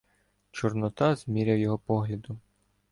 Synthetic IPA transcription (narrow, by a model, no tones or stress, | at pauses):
t͡ʃɔrnɔt̪ɑzmʲiɾʲɐwjɔɦɔpɔɦlʲɐd̪ʊ